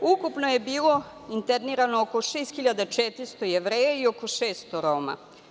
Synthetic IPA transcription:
ukupno̞je̞biːlˠo̞ | int̪eɾniɾanookoʃeːst̪xiʎad̪at͡ʃet̪ɾist̪ojeʋɾeːjaio̞ko̞ʃeːst̪oɾoma̰

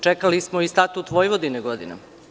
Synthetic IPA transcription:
t͡ʃekalismoist̪at̪ut̪ʋojʋod̪ineɡo̞d̪ḭna̰

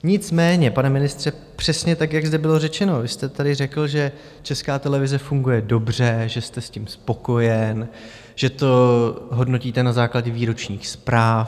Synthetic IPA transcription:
ɲɪt͡smɛːɲɛpanɛmɪnɪst̪r̝̥ɛ | pr̝̥ɛsɲɛt̪akjaɡzdɛbɪlo̞rɛt͡ʃɛno̞vɪst̪ɛt̪adɪrɛkl̩ʒɛ | t͡ʃɛskaːt̪ɛlɛvɪzɛfuŋɡujɛdo̞br̝ɛʒɛst̪ɛscimspo̞ko̞jɛn | ʒ̥ɛt̪o̞ɦo̞dno̞ciːt̪ɛnazaːklaɟɛviːɾo̞t͡ʃɲiːxspɾaːf

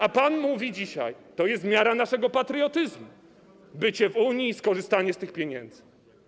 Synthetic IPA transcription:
apanmuvʲid͡ʑiɕa̰jt̪ɔjɛst̪mʲjaɾanaʂɛɡɔpat̪ɾɨɔt̪ɘzmu | bɘt͡ɕɛvuɲiːskɔʐɘst̪aɲɛst̪ɘxpʲjeɲɛnd̪zɘ̥

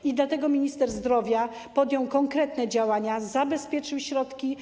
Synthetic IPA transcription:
id̪lat̪ɛɡɔmʲiɲist̪ɛɾzd̪ɾɔvʲja | pɔd̪jɔ̃wkɔŋkɾɛt̪nɛd͡ʑawaɲazabɛspʲjɛt͡ʂɘwɕɾɔt̪kʲi

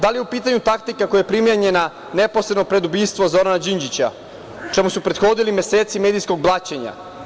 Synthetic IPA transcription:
d̪alijeupiːt̪aɲut̪ak̚t̪ikakojajepɾimjeɲe̞na | neposɾed̪nopɾe̞d̪ubiːst̪ʋozo̞ɾanad͡ʑiɲd͡ʑit͡ɕa̰ | t͡ʃemusupɾe̞t̪xo̞d̪ilimje̞seːt̪simeːd̪ijsko̞ɡ̚blˠaːt͡ɕeɲa̰

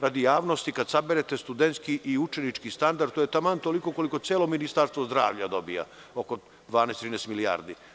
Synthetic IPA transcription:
ɾad̪ijaːʋno̞st̪ikad̪sabeɾet̪e̞st̪ud̪ent̪skiʔiut͡ʃenit͡ʃkist̪and̪aɾd̪t̪ojet̪amant̪ːolikoko̞liko̞t̪sjeːlo̞minist̪aɾst̪ʋozd̪ɾa̰ːʋʎad̪o̞bija̰ | o̞ko | d̪ʋaːnest̪ɾinɛːsmilija̰ːɾd̪i

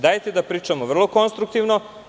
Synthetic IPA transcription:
d̪aːjt̪ed̪apɾiːt͡ʃamoʋr̩lˠoko̞nst̪ɾuk̚t̪iʋno

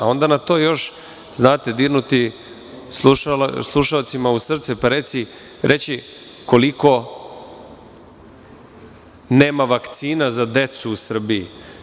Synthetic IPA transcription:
ao̞nd̪anat̪o̞ːjo̞ʃ | znaːt̪ed̪iɾnut̪i | sua̰slˠuʃaot̪simausr̩t̪sɛpaɾe̞t̪si | ɾʔe̞t͡ɕi | ko̞liko̞ | ne̞ːmaʋakt̪siːnazad̪e̞t̪suːsr̩biḭ

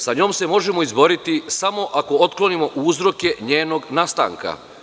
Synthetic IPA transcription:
saɲo̞ːmse̞mo̞ʒemo̞izbo̞ɾit̪isamo̞ʔako̞ot̪klo̞nimo̞ʔuzɾo̞ke̞ɲe̞ːno̞ɡnast̪a̰ŋka̰

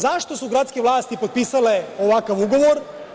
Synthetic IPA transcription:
zaʃt̪o̞suɡɾat̪skʲeʋlˠaːst̪ipo̞d̪̚piːsaleoʋakaʋuɡo̞ʋoɾ

